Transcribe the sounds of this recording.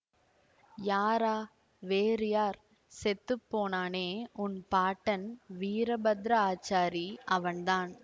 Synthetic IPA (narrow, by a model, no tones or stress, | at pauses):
jaːɾaː | ʋeːɾɪjaːɾ | sɛt̪ːɯpːoːnaːneːʊnpaːʈːɐnʋiːɾɐbɐd̪ɾɐaːt͡ʃaːɾiʔɐʋɐnd̪aːn